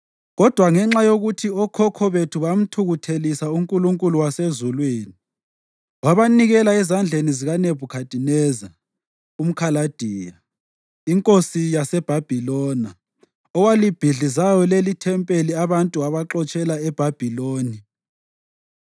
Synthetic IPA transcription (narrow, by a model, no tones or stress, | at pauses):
ɣɔd̥ʱwaŋɛŋ͡ǁajoɣutʰiɔkʰɔkʰɔβetʰuβam̩tʰuɣutʰelisauŋkʼuluŋkʼuluwasezulweːni | waβaniɣɛlaɛzand͡ɮʱeniziɣanebʱukʰatʼinɛːza | um̩kʰalad̥ʱiːja | iŋkʼosijasɛb̥ʱab̥ʱilɔna | ɔwalib̥ʱiɮizajɔlelitʰɛmpʼeliaβantʼuaβaǁɔt͡ʃʼɛlaɛb̥ʱab̥ʱiloːni